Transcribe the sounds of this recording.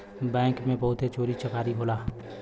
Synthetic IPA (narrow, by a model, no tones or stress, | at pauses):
bɛ̃ːŋkmẽbɐɦʊt̪et͡ʃoːɾit͡ʃəkaːɾiɦoːlaː